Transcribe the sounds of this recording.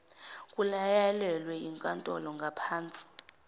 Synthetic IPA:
kʼulajalɛlwɛiŋkʼantʼɔlɔŋɡʱapʰaːnt͡sʼi̥

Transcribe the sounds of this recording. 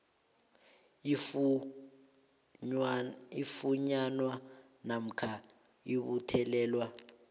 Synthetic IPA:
ifuɲanwa | nam̩kʰa | iɓutʰɛlɛːlwa

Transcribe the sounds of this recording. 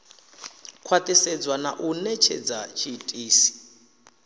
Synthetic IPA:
kʰwat̪ʼɛsɛd͡zwanaʔunɛt͡ʃʰɛ̰d͡zat͡ʃʰitʼiːsi̥

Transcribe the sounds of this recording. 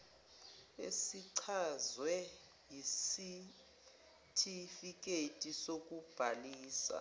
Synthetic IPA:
ḛsiǀʰazwɛ | jisi | tʰifik̬ʼetʼisok̬ʼub̥ʱaliːsa̰

